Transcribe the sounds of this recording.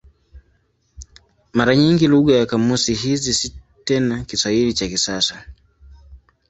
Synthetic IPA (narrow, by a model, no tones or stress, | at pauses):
maɾaɲiŋɡiluɠajakamusiɦizisi | tɛnakiswahilit͡ʃakisasa